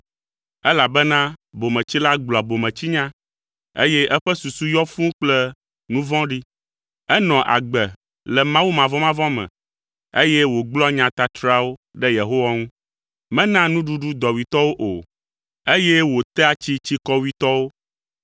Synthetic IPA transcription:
ɛ˦la˨bɛ˦nã˦bo˨mɛ̃˨t͡ɕi˦la˦ɡ͡blɔ˨a˨bo˨mɛ̃˨t͡ɕi˦ɲã˦ | ḛ˦jɛ˦ʔɛ˦ɸɛ˦su˨su˦jɔ˦fũ˦k͡plɛ˦ | nũ˦vɔ̃˦ɖi˦ | ɛ˦nɔ̃˨ʔa̰˨ɡ͡bɛ˨ | lɛ˨mã˦wu˦mã˨vɔ̃˦mã˦vɔ̃˦mɛ̰̃˨ | e˦jɛ˦wo˨ɡ͡blɔ˦ɲã˨t̪a˨t̪ɾa˦wo˦ | ɖɛ˦je˨ɦo˦wa˦ŋũ˦ | mɛ̃˦nã˦nũ˦ɖu˦ɖu˦d̪ɔ˨wi˨t̪ɔ˦wo˦ʔo˨ | e˦jɛ˦wo˨t̪ɛ˦a˦t͡ɕi˦t͡ɕi˦kɔ˦wi˦t̪ɔ˦wo˦

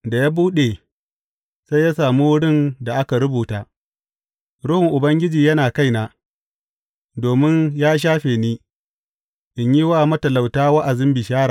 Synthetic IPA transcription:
da˨jaː˦buː˦ɗe˨ | sa˦jaː˦saː˨muː˦wʊ˦ɽɪ˦˨nda˨ʔa˦ka˨ɾʊ˦buː˨taː˦ | ɽʊ˦hɪ˨ŋʔʊ˨bɐ˦ŋɡʲɪ˦d͡ʒiː˨jɐ˦naː˨ka˦jna˨ | doː˨mɪ˦ɲjaː˦ʃ̬aː˦ɸeː˨niː˦ | ʔɪ˨ɲji˦waː˦mɐ˦tɐ˨la˨wtaː˦wɐ˦ʔa˨zɪ˦mbɪ˨ʃaː˦ɽaː˨

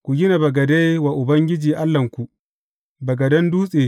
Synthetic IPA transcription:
kʷu˨ɡʲɪ˦na˨bɐ˨ɡɐ˨da˦jwaː˨ʔʊ˨bɐ˦ŋɡʲɪ˦d͡ʒiː˨ʔa˦lːɐ˨ŋkʷu˨ʔ | bɐ˨ɡɐ˨dɐ˦nduː˦sʼeː˨

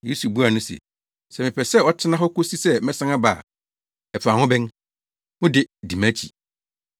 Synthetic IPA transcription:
je˦su˨bu˦a˨nʊ̃˦sḛ˨ | sɛ˨mɪ̃˨pʰɛ˨sɛ˦ɔ˦tʰɪ˦nã˦ɦɔ˦ko˦si˦sɛ˦mɛ̃˦sã˦ŋã˦baː˨ | ɛ˨pʰu˨a˨hʊ̃˦bɛ̃˦n | mʊ̃˦dɪ˨di˨mã˦t͡ɕʰḭ˨

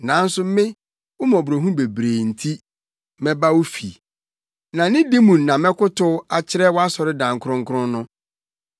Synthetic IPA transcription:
nã˨˦n̩˦sʊ˦m˦mɪ̃˦ | wʊ˦mɔ̃˨bu˨ɾo˨ɦũ˦be˨bɾeː˨n̩˨tʰi˦ | mɛ̃˦ba˦wʊ˦fi˨ | nã˨nɪ̃˦di˦mũ˨n˨nã˨mɛ̃˦kʊ˦tʊ˦a˨t͡ɕʰɪ˦ɾɛ˦wɔ˦a˦sɔ˨ɾɪ˦dã˨ŋ˨kʰɾʊ̃˦ŋ̩˦kʰʊ˦ɾʊ̃˦nʊ̃˦

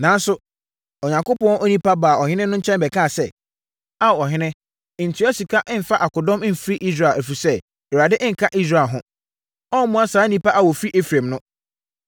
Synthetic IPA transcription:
nã˨n˦sʊ˦ | ɔ˨ɲã˨ŋko˦pɔ̃˦nʔɔ˦nĩ˦pa˦baː˨ɔ˨hɪ̃˦nɪ̃˦nʊ̃˦ɲ̩˦t͡ɕʰɛ̃˦m˦bɛ˨kʰa˦˨sɛ˦˨ | a˦˨ɔ˨ɦɪ̃˦nɪ̃˦˨ | ɲ̩˨tʰi˨˦ɛ˦si˨kʰa˦ʔɪ˦m̩˨fa˦ʔa˨kʊ˨dɔ̃˦mɪ̃˦m̩˨fɾi˦ʔi˦s̬ɾa˨æ˨fi˨sɛ˦˨ | ɾa˨dɪ˦ʔɪ̃˦ŋ̩˨kʰa˦ʔi˦s̬ɾa˨ɦʊ̃˦ | ɔ˦mʊ̃˦a˦saː˨˦nĩ˦pa˦ʔa˦wɔ˨fi˦ʔe˦fɾã˨mnʊ̃˦

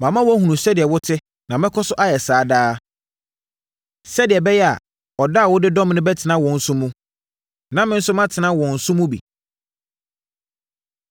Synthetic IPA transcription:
mã˨mã˦wɔ˦hũ˨ũ˨sɛ˦dɪ˨ɛ˨wʊ˦tʰɪ˦ | nã˨mɪ̃˦kʰɔ˦sʊ˦ʔa˦jɛ˨saː˨˦daː˦ | sɛ˦dɪ˨ɛ˨bɛ˦jɛ˦a̰˨ | ɔ˨da˦˨wʊ˦dɪ˦dɔ̃˦mnʊ̃˦bɛ˦tʰɪ˨nã˦wɔ̃˨n̩˨˦sʊ̃˦mũ˦ | nã˦mɪ̃˦n̩˦sʊ˦mã˦tʰɪ˨nã˦wɔ̃˨n̩˨sʊ̃˦mũ˦bḭ˨

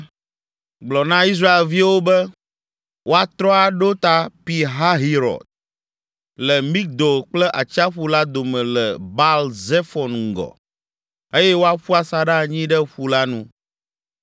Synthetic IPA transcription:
ɡ͡blɔ˨nã˦i˦s̬ɾa˦e˨lvi˦wo˦bɛ˦ | wʔo˦a˨t̪ɾɔ˦a˨ɖo˦t̪a˦pi˨ɦa˦ɦi˦ɾɔ̰˨d̪̚ | lɛ˨mĩ˦k̚d̪o˨k͡plɛ˦ʔa˨t͡ɕi˦a˦ɸu˦la˦d̪o˨mɛ̃˨lɛ˨ba˦lze˦fɔ˨nŋ˨ɡɔ̰˨ | e˦jɛ˦wo˦a˦ɸu˦a˦sa˨ɖa˦˨ɲĩ˦ɖɛ˦ɸu˦la˦nũ˦

